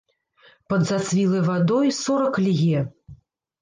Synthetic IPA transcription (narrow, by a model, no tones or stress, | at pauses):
pɐd̪zat̪svʲilˠɐjvad̪ɔjsɔɾɐklʲɣʲɛ